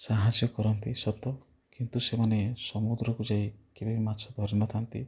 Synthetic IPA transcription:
saɦad͡ʒjɔkɔɾɔnt̪isɔt̪ɔ | kint̪usemanesɔmud̪ɾɔkud͡ʒaikebibimatːt͡ʃʰɔd̪ʱɔɾnɔt̪ʰant̪i

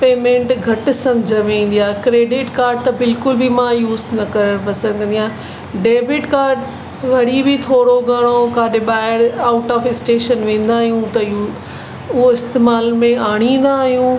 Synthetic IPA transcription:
peːmẽɳʈɡʱɐʈ̆sɐ̃md͡ʑʱə̃ʋẽːn̆d̪ijaːɦkɾeːɖɪʈkaːɾɖ̚t̪ɐbɪlkʊlbʱɪmãjuːznɐkɐɾəɽ̃pɐsə̃nd̪kʰɐ̃nd̪ijãː | ɖeːbɪʈkaːɾɖ | ʋɐɽibɪt̪ʰoːɽoɡɐɽ̃okaːɗɪɓaːɪɾaːʊʈɔːfɪsʈeːʃənʋẽːn̆d̪aːɦijũt̪ɐju | ʊɦoɪst̪eːmaːlmẽaːɽ̃ĩːn̆d̪aːɦijũː

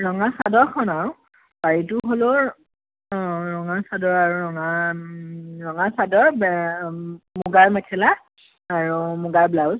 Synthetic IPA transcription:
ɹɔŋasadɔɹkʰɔnaɹ | baɹitʊɦolo | ɹɔŋasadɔɹaɹuɹɔŋa | ɹɔŋasadɔɹbɛ | muɡaɹmɛkʰɛla | aɹumuɡaɹblawz

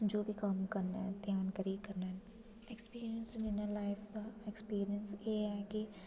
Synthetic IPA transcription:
d͡ʒoːbʱikɐmkɐɾnãd̪jaːnkəɾiːkɐɾnaɛ̃ | ekspiːɾijənsɪ̃nɪnəlaːɪfaekspiːɾiənsjeːaki

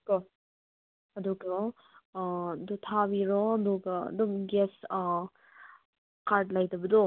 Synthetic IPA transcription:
kɔ | ɐdukɔ | dutʰabiɾɔduɡɐ̰dumɡes | kaɾt̚lajdɐbɐdɔ

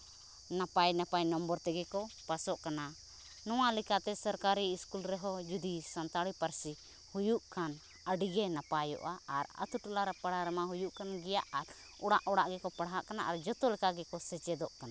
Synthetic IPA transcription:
napajnapajnɔmbɔɾt̪ɛɡɛkɔpasɔʔkana | nɔwalɛkat̪ɛsɔɾkaɾiːskulɾɛɦɔd͡ʒud̪isant̪aɽipaɾsi | hujuʔkʰan | əɖiɡɛnapajɔ̰ʔaːɾə̰t̪uʈulaɾapaɽaɾɛmaɦujuʔkanɡɛjaʔaɾ | ɔɽaʔɔɽaʔɡɛkɔpaɽɦaʔkanaʔaɾd͡ʒɔt̪ɔlɛkaɡɛkɔsɛt͡ʃɛd̪ɔʔkana

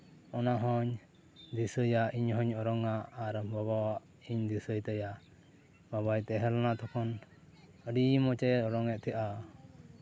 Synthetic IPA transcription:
ɔnaɦɔɲ | d̪isəjaiɲɦɔɲɔɾɔŋaʔːɾəmbabawaʔ | iɲd̪isəjt̪ɛjaʔ | baβajt̪ɛɦɛlɔnat̪ʰɔkʰɔn | əɖimɔt͡ʃɛɔɾɔŋɛʔ̪̚t̪ʰɛʔa

